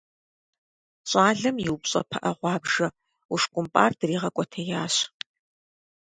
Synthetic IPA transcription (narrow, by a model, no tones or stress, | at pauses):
ɕʼɑːɮɐmjɪwpɕʼɐ̰pʰɐʔɐʁʷɑːbʒɐ | uʂkʷʼʊmpʼaːrd̥ɨriːʁɐkʷʼɔtʰɐjaːɕ